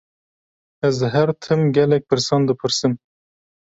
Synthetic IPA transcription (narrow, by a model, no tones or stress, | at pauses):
ɛzɦɛɾt̪ʰɨmɡʲɛlɛk̚ʲpʰɨɾsɑːnd̪ɨpʰɨɾsɨm